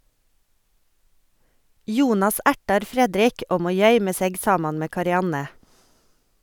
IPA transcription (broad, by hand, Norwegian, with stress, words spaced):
ˈjuːnɑs ˈæʈɑɾ ˈfɾɛdɾɪk ˈoːɡ ˈmoː ˈjœʏmə ˈseːɡ ˈsɑːmɑn ˈmeː kɑɾɪˈɑnə